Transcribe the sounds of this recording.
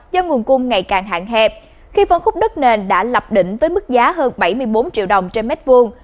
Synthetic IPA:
zɔ˧ŋu˨˩ənkʊ˧ŋ͡mŋa˨˩jkaː˨˩ŋɦa̰ː˧˨ŋɦɛ˧˩p̚ | xi˧fə˧nxʊ˦˥k͡p̚ɗɨ˦˥k̚ne˨˩nɗa̰ː˧˥lə˨˩p̚ɗḭ̈˧˨ŋ̟vəː˨˦jmɨ˦˥k̚zaː˨˦ɦəː˧nɓa˧˩jmɨ˧əjɓo˨˦nt͡ɕḭ˧˨əwɗə˨˩wŋ͡mt͡ɕe˧nmɛ˦˥t̚vu˧əŋ

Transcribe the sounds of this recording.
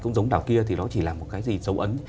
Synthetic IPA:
kə̰˧wŋ͡mzə˨˦wŋ͡mɗaː˧˩wki˧ət̪ʰi˨˩ɔ˨˦t͡ɕi˧˩laː˨˩mo˨˩t̚kaː˨˦jzi˨˩zə˨˦wʔə˨˦n

